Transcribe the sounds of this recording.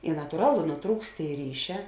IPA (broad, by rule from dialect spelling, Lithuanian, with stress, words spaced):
ɪ nɐtʊˈrɑːlˠʊ nʊˈtruːkst ˈtʲeːɪ ˈrʲiːˌʃʲɛː